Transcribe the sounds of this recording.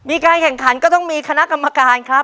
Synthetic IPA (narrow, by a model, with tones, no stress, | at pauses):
miː˧kaː˧nkʰɛ˨˩ŋkʰa˩˦nkɔː˥˩t̪ɔ˥˩ŋmiː˧kʰa˧na˦˥ʔka˧mːa˧kaː˧nkʰɾa˦˥p̚